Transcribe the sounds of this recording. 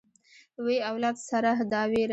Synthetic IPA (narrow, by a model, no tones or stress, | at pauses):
weawlɑd̪saɾaɦd̪ɑweɾ